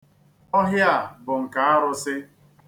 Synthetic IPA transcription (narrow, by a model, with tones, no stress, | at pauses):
ɔ˦ɦjɪ˦a˦˨bʊ˨ŋ̩˨ka˨˦a˦ɾʊ˦sɪ˦